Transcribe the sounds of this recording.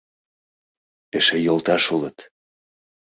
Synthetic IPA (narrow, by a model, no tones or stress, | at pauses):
eʃejolt̪ɑʃulət̪